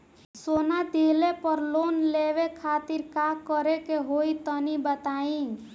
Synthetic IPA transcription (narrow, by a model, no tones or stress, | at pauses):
sonad̪ʱiɦlepəɾlonleʋekʰat̪iɾkakəɾekeɦoit̪ənibət̪aĩ